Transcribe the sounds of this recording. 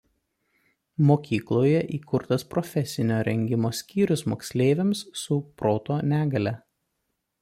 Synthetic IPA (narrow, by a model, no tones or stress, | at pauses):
moːkʲiːklˠoːjɛʔiːkʊɾt̪ɐspɾɔfʲɛsʲɪnʲoːɾʲɛŋʲɡʲɪmoːsʲkʲiːɾʲʊsmoːksʲlʲeːʋʲɛmsːʊpɾoːt̪oːnʲæːɡɐlʲɛ